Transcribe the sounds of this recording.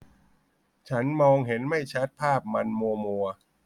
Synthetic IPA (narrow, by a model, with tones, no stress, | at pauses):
t͡ɕʰa˦˥nmɔː˧ŋɦe˩˦nma˥˩jt͡ɕʰa˦˥t̪̚pʰaː˥˩p̚ma˧nmu˧ɐmu˧ɐ